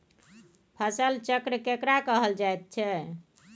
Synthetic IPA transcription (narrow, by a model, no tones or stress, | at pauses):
pʰəsəlt͡ʃəkɾəkekɾakəɦəld͡ʒajt̪̚t͡ʃʰɛ